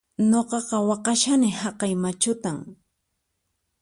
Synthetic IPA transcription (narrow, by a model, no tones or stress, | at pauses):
ɲoqɑqɑwɑqɑʃanɪhɑqɑjmat͡ʃʊt̪aŋ